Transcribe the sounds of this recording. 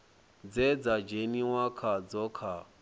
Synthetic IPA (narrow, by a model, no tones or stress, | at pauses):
d͡zɛd͡zad͡ʒeniwakʰad͡zɔkʰa